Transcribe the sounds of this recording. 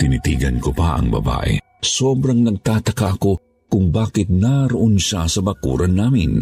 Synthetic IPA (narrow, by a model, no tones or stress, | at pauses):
t̪ɪnit̪iːɡɐnkopaʔɐ̰ŋbɐ̰ba̰ːʔḛ | soːbɾaŋnɐɡ̚t̪aːt̪ɐkaʔɐko | kʊŋbaːkɪt̪̚naɾʊʔonʃasɐbakṵːɾanːaːmɪn